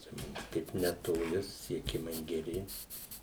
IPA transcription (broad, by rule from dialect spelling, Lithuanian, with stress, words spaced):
t͡ʃʲɛ ˈmʊms ˈkɐɪp nʲɛtoːˈlʲɪ sʊsʲɪsʲiɛˈkʲɪmɐɪ ɡʲɛˈrʲɪ